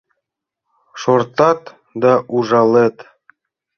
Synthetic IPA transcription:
ʃort̪ɑt̪ | d̪ɑʔuʐɑlˠet̪

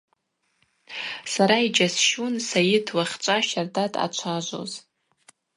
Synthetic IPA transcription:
saɾaid͡ʒasʃunsajɪtʰwaχʲt͡ʃʷʼaʃardʰatʼa̰t͡ʃʷʰaʒʷo̰z

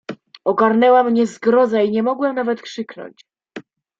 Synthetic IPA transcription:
ɔɡaɾnɛwamɲɛzɡɾɔzaiɲɛmɔɡwɛmnavɛt̪kʂɘknɔ̰ɲt͡ɕ

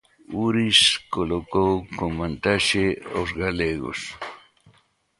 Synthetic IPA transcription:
ʊɾiskolokowkomant̪aʃeosɡaleɡo̰s

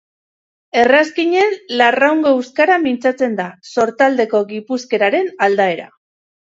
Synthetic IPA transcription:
e̞raskiɲe̞nlarawŋɡo̞ewskaɾamint͡sat͡se̞nd̪aso̞ɾt̪ald̪e̞ko̞ɣipuske̞ɾaɾe̞nald̪ae̞ɾa̰

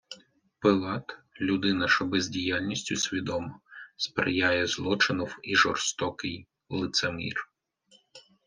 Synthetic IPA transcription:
pɪlˠɑt̪lʲud̪ɪnɐʃɔbɛzʲdʲijalʲnʲisʲtʲʊsʲʋʲid̪ɔmɔspɾḛjajɛzlˠɔt͡ʃɪnɔwiʒɔrst̪ɔkɪj | lˠɪt̪semʲḭr

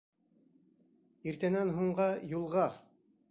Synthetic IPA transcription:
iɾt̪ænænɦuɴɢɑjulˠʁɑ

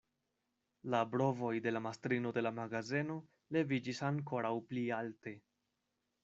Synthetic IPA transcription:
labɾo̞vo̞jde̞lamastɾino̞de̞lamaɡazeno | le̞vid͡ʒisaŋko̞ɾawplialte̞

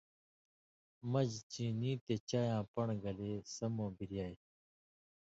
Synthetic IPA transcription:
mɐd͡ʑt͡ɕĩːnĩːt̪et͡ɕaːjãːpɐɳɡɐleːsɐmõːbiɾijaːj

